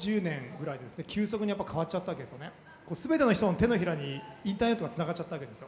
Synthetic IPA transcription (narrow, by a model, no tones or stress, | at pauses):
d͡ʑɨːnẽ̞ŋɡɯ̟ɾaid̪ed̪e̞sɨne̞kʲʰɨːsokɯ̟ɲ̟ijapːaikʰaβat͡ɕat̪ːaβakede̞sɨjone̞ | ko̞ːsɨbe̞t̪e̞no̞çi̥t̪onot̪e̞no̞çiɾaɲ̟iĩnt̪aːne̞t̪ːoɡat͡sɨnaɡat͡ɕːat̪ːaβake̞d̪esɨjo